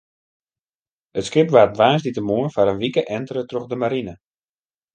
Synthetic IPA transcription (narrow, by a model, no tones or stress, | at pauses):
ətskɪpʋaːt̚ʋaːsditəmuənfaɾənʋikəʔɛntəɾətroxdəmaɾinə